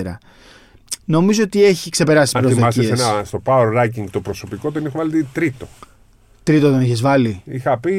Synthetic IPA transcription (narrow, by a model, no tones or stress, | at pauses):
eɾɐ̰ | no̞mizoot̪ie̞çikse̞pe̞ɾɐsispɾoimɐseisenɐst̪o̞paoeɾɾɐjciŋɡt̪opɾoso̞pikot̪onixuvɐlt̪it̪ɾit̪o̞̥ | t̪ɾit̪ot̪o̞niçezvɐliixɐpi